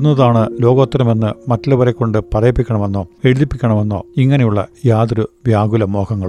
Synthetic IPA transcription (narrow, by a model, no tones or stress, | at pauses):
unːɐðaːɳɨlo̞ːɡo̞ːt̪ːrɐme̞nːɨmɐtːɐlɐʋɐɾekːo̞ɳɖɨpɐrɐjɐpːikʲːɐɳɐme̞nːo̞ːe̞ɻuðipːikʲːɐɳɐme̞nːo̞̰ːiŋːɐne̞juɭːɐ̰jaːd̪ɾuʋjaːɡulɐmo̞ːkɐŋːɐɭ